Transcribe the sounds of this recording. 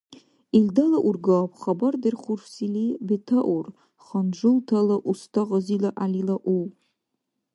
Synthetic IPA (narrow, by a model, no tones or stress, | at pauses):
ildalaʔurɡaapʰχabardɨrχʊrsilibitʰaʔur | χand͡ʒʷʊltʰalaʔustʰaʁazilaʔalilaʔuw